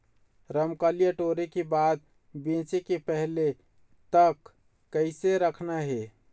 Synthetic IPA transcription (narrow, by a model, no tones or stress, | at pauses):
ɾəmkaːlijaʈoːɾekebaːd̪̚ | bẽːt͡ʃekepɛɦle | t̪əkː | əɪseɾəkʰnaɦe